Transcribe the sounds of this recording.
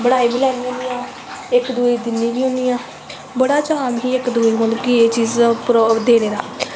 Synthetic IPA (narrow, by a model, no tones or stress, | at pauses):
bəɽaːiːbiːlɛːniːɦʊ̃nd̪ijãː | ɪkd̪uiːd̪ɪnːiːbiːɦʊ̃nd̪ijãː | bəɽaːt͡ʃaːmɦiːɪkd̪uːiːɦʊnkieːt͡ʃiːzpɾd̪eːneːɾa̰ː